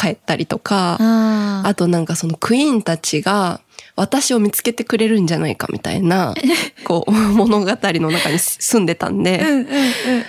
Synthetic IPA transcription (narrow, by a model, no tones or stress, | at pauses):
kae̞t̪ːaɾʲit̪o̞ka | at̪o̞nãŋkaso̞no̞kʰɯ̟ĩnt̪at͡ɕiɡa | βat̪aɕio̞mʲit͡sɨ̥ke̞t̪e̞kɯ̟ɾe̞ɾɯ̟̃ɲ̟d͡ʑanaika̰mʲʔʲḭt̪a̰ḭnako̞̰ːmo̞no̞ɡat̪aɾʲino̞nakaɲ̟isɨ̃nd̪e̞t̪ã̰nd̪e̞